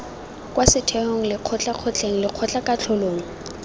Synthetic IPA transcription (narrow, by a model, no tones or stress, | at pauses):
kʼwasɪtʰɛhoŋ̩lɪq͡χʰɔt͡ɬʼaq͡χʰɔt͡ɬʼeŋ̩lɪq͡χʰɔt͡ɬʼakʼat͡ɬʰɔloːŋ̩